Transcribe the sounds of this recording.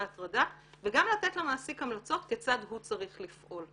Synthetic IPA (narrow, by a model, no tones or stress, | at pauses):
at̪ʁada | veɡamlat̪et̪lamaːsikamlat͡so̞t̪ket͡sad̪ɦut͡saʁiχlifʔo̞l